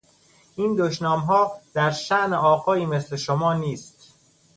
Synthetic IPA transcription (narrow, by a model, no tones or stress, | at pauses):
ʔiːnd̪oʃnɒːmɦɒːd̪̥æɾʃæʔneʔɒːɣɒːiːme̞sle̞ʃomɒːniːst̪